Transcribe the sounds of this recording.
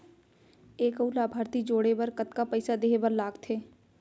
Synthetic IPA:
eːkəulaːbʱaːɾt̪id͡ʒoːɽebɐɾkɐt̪kapəɪsad̪eːɦebəɾlaːɡt̪ʰeː

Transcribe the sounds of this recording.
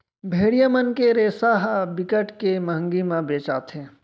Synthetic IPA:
bʱeːɽijamənkeɾeːsaːɦbɪkəʈkeməɦə̃ŋɡimãbeːt͡ʃa̰ːt̪ɦɛ̃ː

